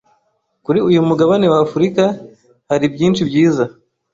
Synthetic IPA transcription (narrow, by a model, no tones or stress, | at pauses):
kuɾiujumuɡaβane̞waːfuɾika | haɾibjiːnʃibjiːza